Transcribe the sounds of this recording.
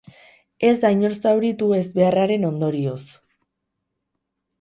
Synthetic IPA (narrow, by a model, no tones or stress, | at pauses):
e̞zd̪ajɲo̞ɾsawɾit̪ue̞zbe̞araɾe̞no̞nd̪o̞ɾio̞s